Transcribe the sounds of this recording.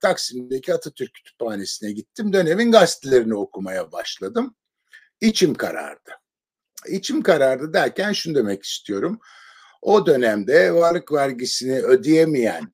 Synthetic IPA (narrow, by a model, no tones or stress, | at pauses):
t̪ʰaksimind̪ecʰiat̪ʰat̪ʰyɾcʰːy̥t̪ʰy̥phaːne̞sinɛɟit̪ʰːimd̪ø̞ne̞minɡast̪ilʲeɾinio̞kʰumajabaʃlˠad̪ɯm | it͡ʃʰimkʰa̰ɾa̰ɾd̪̥ɯ | it͡ʃʰimkaɾaɾd̪ɯd̪æɾcʰænʃunud̪e̞mɛci̥st̪ʰijo̞ɾum | o̞d̪ø̞næmd̪ɛvaɾlˠɯkvæɾɟisiniø̞d̪ijemijæ̰n